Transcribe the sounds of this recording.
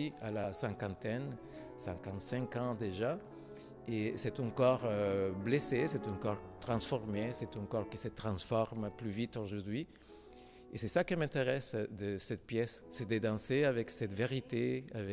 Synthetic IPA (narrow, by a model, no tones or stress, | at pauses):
ialasɛ̃kɑ̃t̪ɛn | sɛ̃kɑ̃nt̪sɛ̃kɑ̃d̪eʒa | esɛt̪ɑ̃kɔʁøblesesɛt̪ɑ̃kɔʁt̪χɑ̃sfɔʁmesɛt̪ɔ̃kɔʁkisət̪ʁɑ̃sfɔʁmplyvit̪oʒuʁd̪ɥi | esɛsakəmɛ̃t̪eʁɛsd̪əsɛt̪pjɛsːɛd̪əd̪ɑ̃seavɛksɛt̪veʁit̪eavɛ